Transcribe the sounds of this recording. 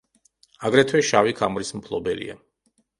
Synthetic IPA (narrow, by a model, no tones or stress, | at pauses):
aɡɾɛt̪ʰwɛʃavikʰamɾismpʰlˠɔbɛlḭa̰